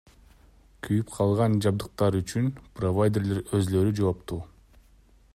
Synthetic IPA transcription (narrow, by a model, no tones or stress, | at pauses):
kʰyjypqʰɑlˠʁɑnd͡ʒɑb̚d̪ɯq̚t̪ɑɾyt͡ʃynpro̞vajd̪ʲerlʲeɾøzlø̞ɾyd͡ʒoopt̪uː